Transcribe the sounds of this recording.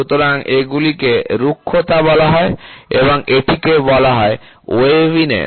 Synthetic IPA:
ut̪oɾaŋeɡulikeɾukʰːot̪abɔlaɦɔeeβoŋeʈʰikebɔlaɦɔe | oeinḛ

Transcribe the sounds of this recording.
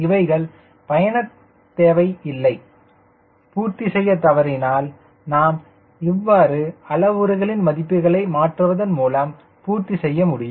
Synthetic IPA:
ɪʋɐɪɣɐɭ | pɐjɐnɐt | t̪ːeːʋɐɪɪlːɐɪ | puːɾt̪isɛjːɐt̪ɐʋɐɾɪnaːl | naːm | ɪʋːaːɾɯɐlɐʋɯɾɐɣɐɭɪnmɐðɪpːɯɣɐɭɐɪmaːʈrɯʋɐðɐnmuːlaːm | puːɾt̪isɛjːɐmʊɽɪjʊm

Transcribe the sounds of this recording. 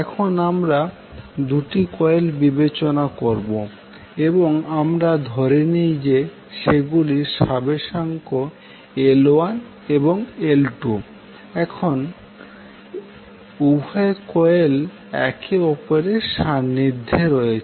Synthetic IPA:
ɛkʰonamɾa | d̪uʈikɔelbibet͡ɕonakoɾbo | eboŋamɾad̪ʱɔɾenijd͡ʑe | ʃeɡuliʃabeʃaŋko | eloan | eboŋelʈu | ɛkʰon | ubʱaekɔel | ɛ̰keɔpoɾeʃanːid̪ʱːeɾojet͡ɕʰ

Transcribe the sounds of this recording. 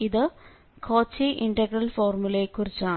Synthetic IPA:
iðɨ | kʰo̞ːt͡ɕːiʔiɳɖɐɡrɐlfoːrmulekːurit͡ɕːaː

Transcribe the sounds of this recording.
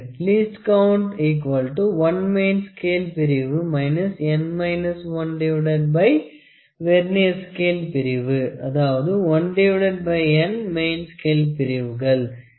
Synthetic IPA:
ʈliːsʈkɐʊɳʈiːk̬ʋɐlʈuʋɐnmeɪnskeːlpɪɾɪʋɯmɐɪnɐsɛnmɐɪnɐsʋɐnɖɪʋɪɽɐɖ̚bɐɪ | ʋɛɾneɐskeːlpɪɾɪʋɯɐðaːʋɐðɯʋɐnɖeʋɪɽɐɖ̚bɐɪɛnmeɪnskeːlpɪɾɪʋɯɣɐɭ

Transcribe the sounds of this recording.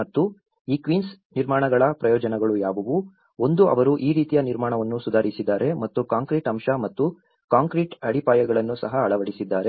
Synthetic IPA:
ɐt̪ːu | iːkʋiːnsniɾmaːɳɐɡɐɭɐpɾɐjɔːd͡ʒɐnɛɡɐɭujaːʋɐʋu | o̞nd̪uʔɐ̰ʋɐɾuʔiːɾiːt̪ijɐniɾmaːɳɐʋɐnːusud̪ʱaːɾisid̪ːaːɾe̞mɐt̪ːukaːŋkɾiʈɐmʃɐmɐt̪ːu | kaːŋkɾiːʈɐɽipaːjɐɡɐɭɐnːusɐɦɐːɭɐʋɐɽisid̪ːaːɾe̞

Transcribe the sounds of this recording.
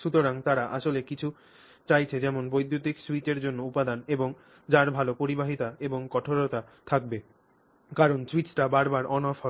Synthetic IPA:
ʃut̪oɾaŋt̪aɾaʔa̰ʃolekit͡ɕʰu | t͡ɕajt͡ɕʰed͡ʑɛmonbojd̪ʱjot̪̬ikswit͡ɕeɾd͡ʑonːoupad̪aneboŋ | d͡ʑaɾbʱalopoɾibaɦit̪aeboŋkɔʈʰoɾot̪a | t̪ʰak̚be | kaɾonswit͡ɕʈabaɾbaɾɔnɔfɔ

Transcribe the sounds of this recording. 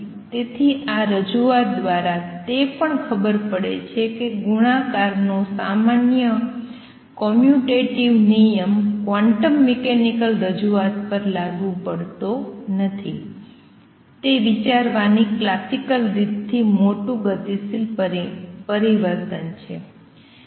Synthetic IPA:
t̪et̪ʰiʔaɾəd͡ʒuat̪̚d̪ʋaɾat̪epəɳkʰəbəɾpəɽḛt͡ʃʰekeɡuɽ̃ãkaɾnosa̰manjə | kɔmjuʈeʈiʋnijəmkʋaɳʈəmːɛkenikəlɾəd͡ʒuat̪pəɾlaɡʋũpəɭt̪onət̪ʰi | t̪eʋit͡ʃaɾʋaniklasikəlɾid̪t̪ʰːimoʈũɡət̪isil | pəɾiʋəɾt̪ənt͡ʃʰe

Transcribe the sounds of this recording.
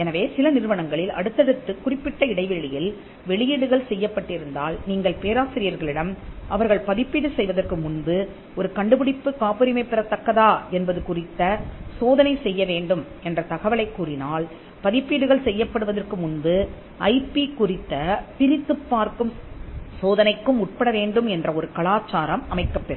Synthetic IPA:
ɛnɐʋeːsɪlɐnɪɾɯʋɐnɐŋɡɐɭɪlɐɽɯt̪ːɐɽɯt̪ːɯkʊrɪpːɪʈːɐɪɽɐɪʋɛɻɪjɪl | ʋɛɭɪjɪɽɯɣɐɭsɛjːɐpːɐʈːɪɾɯnd̪aːlniːŋɡɐɭpeːɾaːsɪɾɪjɐɾɣɐɭɪɽɐmɐʋɐɾɣɐɭpɐðɪpːiɽɯsɛjʋɐðɐrkɯmʊnbɯ | ɔɾɯkɐɳɖɯpɪɽɪpːɯkaːpɐɾɪmɐɪpːɪrɐt̪ːɐkːɐðaːɛnbɐðɯkʊrɪt̪ːɐsoːðɐnɐɪsɛjːɐʋeːɳɖɯm | ɛndrɐt̪ɐɣɐʋɐɭɐɪkːuːrɪnaːl | pɐðɪpːɪɽɯɣɐɭsɛjːɐpːɐɽɯʋɐðɐrkɯmʊnbɯ | ʔɐɪpːikʊrɪt̪ːɐpɪɾɪt̪ːɯpːaːɾkɯmsoːðɐnɐɪkːɯmʊʈ̚pɐɽɐʋeːɳɖɯmɛndrɐɔɾɯkɐɭaːt͡ʃːaːɾɐmɐmɐɪkːɐpːɛɾɐ

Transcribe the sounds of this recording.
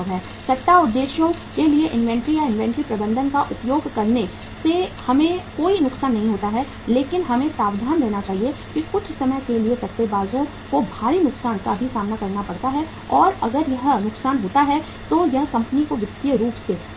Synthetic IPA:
ʋɦɛː | sɐt̪ːaʊd̪ːeːʃjõ | kelieʔɪ̃nʋɛ̃ːɳʈɾijaɪ̃nʋɛ̃ːɳʈɾipɾɐbə̃nd̪ʱənkaʔʊpjoːɡʱkɐɾne | sehɐmẽkoːinʊksaːnːɐɦĩɦoːt̪aɦɛ | leːkɪnɦɐmẽsaːʋd̪ʱaːnɾɛːnat͡ʃaːɦiekikʊt͡ʃʰsɐməjkeliesɐtt̪ːebaːzõ | kobʱaːɾinʊksaːnkabʱisaːmnakɐɾnapɐɽt̪aɦɛ | ɔːɾɐ̰ɡəɾjɐɦnʊksaːnɦoːt̪aɦɛ | t̪ojɐɦkɐ̃mpənikoʋjɪkt̪iəɾuːpse

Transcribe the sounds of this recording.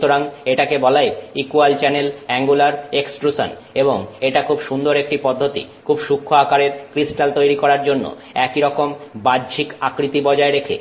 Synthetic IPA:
t̪oɾaŋeʈakebɔlaeikualt͡ɕɛnelɛŋɡulaɾeksʈɾusa̰n | eboŋeʈakʰubʃund̪oɾek̚ʈipɔd̪ʱːot̪ḭkʰubʃukʰːoakaɾeɾkɾisʈalt̪ojɾikɔɾaɾd͡ʑonːo̰ | ɛkiɾɔkombadd͡ʑʰʱikakɾit̪ibɔd͡ʑaeɾekʰḛ

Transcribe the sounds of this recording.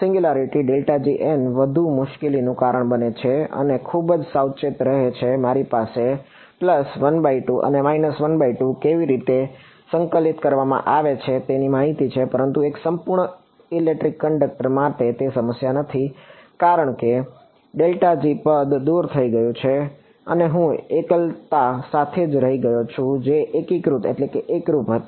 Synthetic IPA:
sɪ̃ŋɡjulaɾiʈiɖelʈad͡ʒiʔenʋəd̪ʱumʊʃkelinũkaɾəɳbənet͡ʃʰeə̰nekʰubəd͡ʒsawt͡ʃet̪ɾəɦet͡ʃʰemaɾipase | pləsʋənbaiʈũʔə̰nemainəsʋənbaiʈũkeʋiɾit̪e | sə̃ŋkəlit̪kəɾʋamã̰ʔaʋet͡ʃʰet̪enimaɦit̪it͡ʃʰepəɾənt̪ueksəmpuɾɳə | ilek̚ʈɾikːəɳɖək̚ʈəɾmãʈet̪esəməsjanət̪ʰikaɾəɳ̃ke | ɖelʈad͡ʒipəd̪d̪uɾt̪ʰəiɡəjũt͡ʃʰe | əneɦũekəlt̪asat̪ʰed͡ʒɾəɦiɡəjot͡ʃʰũd͡ʒeʔekikɾut̪ḛʈlekeʔekɾupɦət̪i

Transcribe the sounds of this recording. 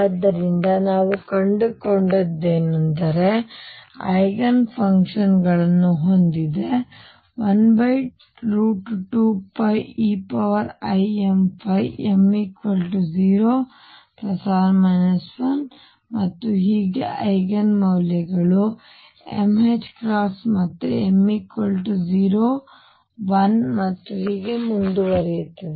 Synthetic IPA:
d̪ːɐɾind̪ɐnaːʋukɐɳɖukoɳɖɐd̪ːeːnɐnd̪ɐɾe | ɐ̰jɡɐnpʰɐŋkʂɐnɡɐɭɐnːuɦo̞nd̪id̪e̞ | ʋɐnbɐjʈ | ɾuːʈʈuːpɐjiːpɐʋɐɾɐjempʰɐjemikʋɐlʈuziːɾoː | pɾɐsaːɾmɐnɐsʋɐn | mɐt̪ːuɦiːɡeʔɐjɡɐnmɐwljɐɡɐɭu | ḛmed͡ʒkɾaːpsmɐt̪ːeemːikʋɐlʈud͡ʒiːɾoː | ʋɐnmɐt̪ːuɦiːɡemund̪uʋɐɾijut̪ːi

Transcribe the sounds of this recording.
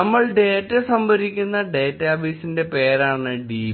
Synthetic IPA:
ɐmːɐɭɖe̞ːtːesɐmbʱɐɾikʲːunːɐɖe̞ːtːaːfiːsinde̞pe̞ːɾaːɳɨɖi

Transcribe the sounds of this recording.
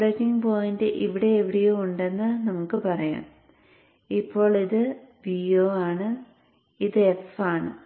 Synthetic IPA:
ɽɐkːiŋpoːjindeʔiʋiɽe̞ːʋiɽijouɳɖe̞nːɨnɐmukːɨpɐrɐja̰ːm | ipːo̞ːɭiðɨʋioːaːɳɨ | iðɨefaːɳɨ̰

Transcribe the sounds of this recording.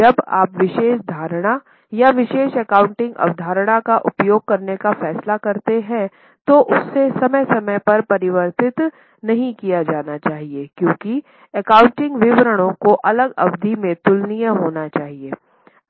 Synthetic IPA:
d͡ʒɐba̰ːpʋɪʃeːʃd̪ʱaːɾɽ̃a | jaʋɪʃeːʃɛkãːʊ̃ɳʈɪ̃ŋɡɐ̰ʋd̪ʱaːɾɽ̃akaʔʊpjoːɡ̚kɐɾnekafɛːslakɐɾt̪eɦɛ̃ | t̪oʔʊsːesɐməjsɐməjpɐɾpɐɾɪʋəɾt̪ɪt̪ | nɐɦĩkijad͡ʒaːnat͡ʃaːɦiekjõːki | ɛkaːʊ̃ɳʈɪ̃ŋɡʋɪʋɾəɽ̃õkoʔɐləɡɐʋd̪ʱimẽt̪ʊlnijə̃ɦoːnat͡ʃaːɦieː

